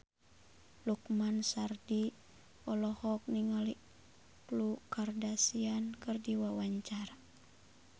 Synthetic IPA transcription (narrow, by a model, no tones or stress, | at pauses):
lukmansardi | ɔlɔhɔk̚niŋali | klukardasiankɨrdiwawaɲt͡ʃaɾa